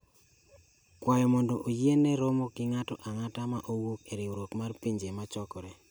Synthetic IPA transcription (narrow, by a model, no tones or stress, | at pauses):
kwajɔmɔndɔʔojenɛɾɔmɔkɪŋatɔʔaŋatamaʔowokeɾɪwoɾokmarpiɲd͡ʒemat͡ʃɔkɔɾɛ